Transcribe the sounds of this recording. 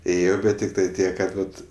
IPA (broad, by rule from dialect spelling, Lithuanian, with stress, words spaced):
ˈeːjoː ˈbʲɛt tʲɪktɐɪ ˈtʲiɛk kɐt ˈʋɐt